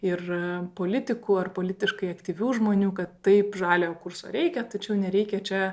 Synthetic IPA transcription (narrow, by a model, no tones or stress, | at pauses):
ɪrpoːlʲɪt̪ʲɪkuːɐrpoːlʲɪt̪ʲɪʃkɐɪɐkt̪ʲiːʋʲuːʒmoːnʲuːkɐt̪ːɐɪpʒɑːlʲeokʊrso̰ːɾʲɛɪkʲɛt̪ɐt͡ʃʲɛʊnʲɛɾʲɛɪkʲɛt͡ʃʲɛ